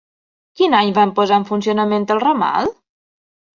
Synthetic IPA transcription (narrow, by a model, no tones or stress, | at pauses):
kinaɲβampozaɱfuns̬ionəment̪əlˠroma̰lˠ